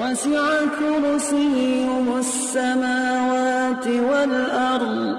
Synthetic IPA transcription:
wasɪʕat̪ʊɾʊsɪjhʊmasːamaːwaːt̪ɪwalʔɑɾˤd̪ˤ

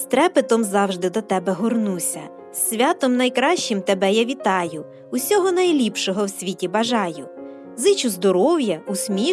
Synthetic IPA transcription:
st̪ɾɛpɪt̪ɔmzɑwʒd̪ɪd̪ɔt̪ɛbɛɦɔrnusʲɐ | sʲʋʲɑt̪ɔmnɐjkɾɑʃt͡ʃɪmt̪ebɛjaʋʲit̪ɑjʊ | ʊsʲɔɦɔnɐjlʲipʃɔɦɔwsʲʋʲitʲibɐʒɑjʊ | zɪt͡ʃʊzd̪ɔɾɔwjɐusʲmʲi

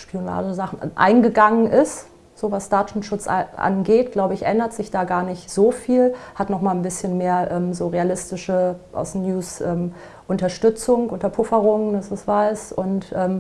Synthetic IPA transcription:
ʃpiona̰ːdəzaχn̩ʔa̰ɪnɡəɡaŋənʔɪst | z̥oːvasd̥aːtʊn̩ʃʊt͡sʔa̰nɡeːt̚ɡ̥laʊbəɪçʔɛndɐtz̥ɪçd̥aːɡaːɐnɪçtz̥oːfiːlhatnɔχmaːlnbɪsçənmeːɐʔɛːmzoːʁealɪstɪʃəʔa̰ʊsnjuːsʔɛːm | ʔʊntɐʃtʏt͡sʊŋʔʊntɐpʰʊfɐʁʊŋəndasɪsv̥aɪsʔʊntʔɛːm

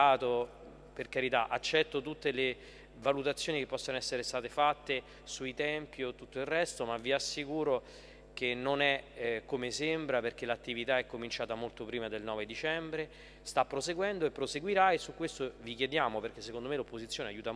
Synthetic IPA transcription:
aːt̪o | perkaɾit̪aʔat͡ʃːɛt̪ːot̪ut̪ːele | valut̪at̪sːjoːnikepːɔsːonoɛsːeɾest̪aːt̪efat̪ːe | suit̪ɛmpjt̪ːut̪ːoilrɛst̪omavːiasːikuːɾo | kenːonɛkːomesembɾaperk̟elat̪ːivit̪aɛkːomint͡ʃaːt̪amolt̪opɾiːmad̪elnɔːved̪it͡ʃɛmbɾe | st̪apːɾoseɡwɛnd̪oepːɾoseɡwiɾaesːukwest̪ovikjed̪jaːmoperk̟esːekond̪omelopːozit̪sːjoːneajuːt̪a

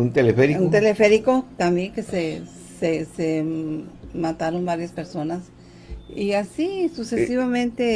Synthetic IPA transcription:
unt̪elefeɾiunt̪elefe̞ɾikot̪amjeŋke̞se | sese | mat̪aɾo̞nbaɾjaspe̞ɾso̞nas | iasisuse̞siβamẽ̞nt̪e

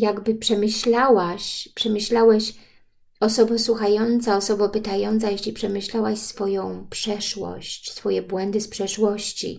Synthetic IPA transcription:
jaɡbɘpʂɛmɘɕlawaɕpʂɛmɘɕlawɛɕ | ɔsɔbɔswuxajɔnt̪saɔsɔbɔpɘt̪ajɔnt̪sajeɕlʲipʂɛmɘɕlawaɕsfɔjɔ̃w̃pʂɛʂwɔ̰ɕt͡ɕsfɔjɛbwɛnd̪ɘspʂɛʂwɔɕt͡ɕḭ

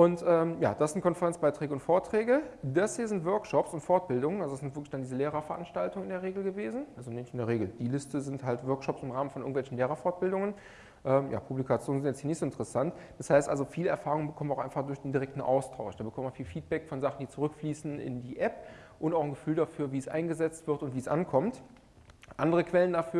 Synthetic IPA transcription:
ʔʊntʔɛːmja̰ːd̥asz̥ɪntkʰɔnfɛʁɛnt͡sb̥aɪtʁ̥ɛːɡəʊntfoːɐtʁ̥ɛːɡədashiːɐzɪntv̥œɐkʃɔpsʊntfɔɐt̚b̥ɪldʊŋənalzodasz̥ɪntv̥ɪɐklɪçdandiːzəleːʁɐfɛɐʔanʃtaltʊŋənɪndeːɐʁeːɡl̩ɡəveːzn̩ʔalzonɛçɪndeːɐʁeːɡl̩d̥iːlɪstəzɪnthaltv̥œɐkʃɔpsɪmʁaːmən̩fɔnɪɐɡŋ̩tvɛlçn̩leːʁɐfɔɐt̚b̥ɪldʊŋən | ʔɛːmja̰ːpʰublikʰat͡sjoːnənzɪntjɛt͡shiːnɪçtz̥oɪntəʁəsantd̥ashaɪstʔa̰lzofiːləɛɐfaːʁʊŋənbəkʰɔmnvɪaʊxʔaɪfaχd̥ʊɐçd̥eːndiʁɛk̚tn̩ʔa̰ʊstʰaʊʃd̥aːbəkʰɔməmanfiːlfiːt̚b̥ɛkfɔnzaχn̩diːt͡suʁʏkfliːsn̩ʔɪ̰ndiːʔɛpʔʊntaʊxnɡəfyːldafyːɐviːsʔa̰ɪnɡəzɛt͡stv̥ɪɐtʊntv̥iːsʔankʰɔmt | ʔandəʁ̞əkv̥ɛləndafyːɐ

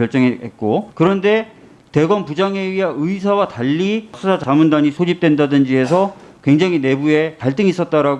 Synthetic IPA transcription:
jʌɭt͡ɕ͈ʌŋeɦet̚k͈okɯɾʌnde̞ | te̞ɡʌnpud͡ʑaŋe̞ɥiɦaɯisʰawataʎːisʰusʰat͡ɕamundaɲisʰod͡ʑip̚t͈we̞ndadɯnd͡ʑie̞sʰʌ | kwe̞ŋd͡ʑaŋɦine̞bue̞taɭt͈ɯŋis͈ʌt̚t͈aɾaɡ

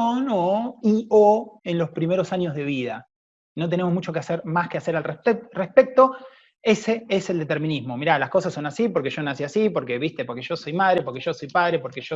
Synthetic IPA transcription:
onoioe̞nlo̞spɾimeɾo̞saɲjo̞zð̞e̞β̞ið̞a | no̞t̪ene̞mo̞zmut͡ʃo̞keaseɾmaskease̞ɾalrerespe̞k̚t̪o̞ | e̞se̞eseld̪et̪e̞ɾmĩnizmo̞miɾalasko̞sasːo̞nasipo̞ɾke̞ʒo̞nasiasipo̞ɾke̞βist̪e̞poɾkeʒo̞so̞jmaðɾe̞poɾkeʒo̞so̞jpaðɾe̞po̞ɾkeʒo

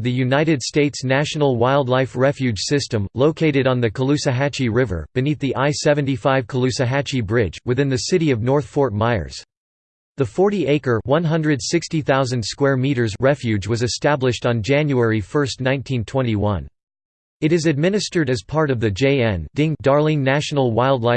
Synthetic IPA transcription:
ðɨjʉnaɪɾɨd̥steɪtsnæʃn̩l̩ˠwaɪlˠdˡlaɪfɹɛfjʉ̥ʒ̥sɪstɨ̃mloʊkʰeɪɾɨɾn̩ðɨkʰəlʉsɨɦæt͡ʃiɹɪvə̰˞b̥ɨniθðiʔaɪsɛvɨ̃ntifaɪv̥kʰəlʉsɨɦæt͡ʃibɹɪd͡ʒwɨθɪ̃nðɨsɪɾiʌvnɔɹθfɔɹt̚maɪə̰˞z̥ | ðəfɔɹɾiʔeɪkə˞wʌ̃nɦʌ̃ndɹɨdsɪkstiθaʊzɨ̃nd̥skwɛɹmiɾə˞zɹɛfjʉd͡ʒwʌzɨstæblɨʃtn̩d͡ʒæ̃njuɛɹifɜ˞stⁿnãɪ̃ntʰĩntʰw̥ɛ̃ñiwʌ̰̃n | ɨɾɨzɨd̚mɪ̃nɨstə˞ɾɨz̥pʰɑɹɾʌvðɨd͡ʒeɪɛ̃ndɪ̃ŋ̚d̥ɑɹlˠɪ̃ŋnæʃn̩l̩ˠwaɪlˠdˡlaɪ

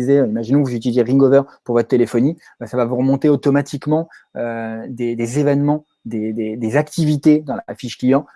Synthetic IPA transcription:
zeøimaʒinɔ̃kvuzyt̪ilizeʁĩɡovœʁpuʁvɔt̪χət̪elefɔni | basavavuʁəmɔ̃t̪eot̪ɔmat̪ikmɑ̃ | ød̪ed̪ezevɛnmɑ̃ | d̪ed̪ed̪ezakt̪ivit̪ed̪ɑ̃lafiʃklijɑ̃

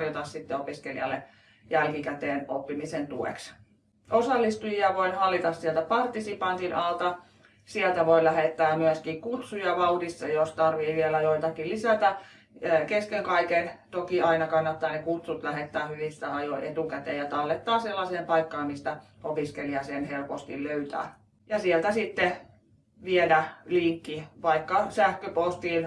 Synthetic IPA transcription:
rjot̪ɑssit̪ːeopiskelḭɑ̰lːˑe | jælkikæt̪eːnopːimisent̪uḛks | ʔosɑlːist̪ujiɑʋoinhɑlːit̪ɑssiɛlt̪æpɑrt̪ːisipɑnt̪inʔɑlt̪ɑ | siɛlt̪æʋoilæhet̪ːæːmyæskikkut̪sujɑʋɑudist̪ːɑjost̪ɑrʋiːʋielæjoit̪ɑkilisæt̪æː | keskeŋkɑikent̪okiɑinɑkɑnːɑt̪ːɑːnekut̪sut̪læhet̪ːæːhyʋist̪æɑjoʔet̪ukæt̪eːjɑt̪ɑlːet̪ːɑːselːɑseːmpɑikːɑːmmist̪æ | opiskeliɑsenhelpost̪ḭlløyt̪æ̰ː | jɑsielt̪æsit̪ːe | ʋielæliŋkːiʋɑikːɑsæhkøpost̪iːn

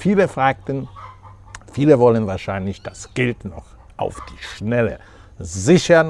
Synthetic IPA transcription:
fiːləfʁ̥aːk̚tn̩ | fiːləvɔlənvaːɐʃaɪnlɪçd̥asɡ̥ɪltnɔχ | ʔa̰ʊfd̥iːʃnɛlə̰ | zɪçɐn

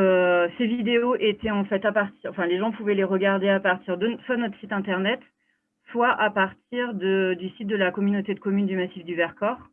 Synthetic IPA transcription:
øsevid̪eoʔet̪ɛɑ̃fɛt̪apaʁt̪iɑ̃fɛ̃leʒɑ̃puvɛleʁəɡaʁd̪eapaʁt̪iʁd̪əswanɔt̪χsit̪ɛ̃t̪ɛʁnɛt̪ | swaʔapaʁt̪iʁd̪əd̪ysit̪̚d̪əlakɔmynot̪ed̪əkɔmynd̪ymasifd̪yvɛʁkɔʁ

